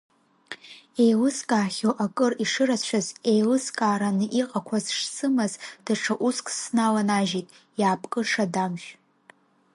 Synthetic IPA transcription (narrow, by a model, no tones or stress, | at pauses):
e̞jlɨskʼaːχʲoʔakʼɨriʂɨrat͡ɕʷʰaze̞jlɨskʼaːɾanɨʔiqʼakʷʰazʂsɨmazd̥aʈ͡ʂʰaʔuskʼsnalanaʒitʼ | jaːpʼkʼɨʂadamʒᶣ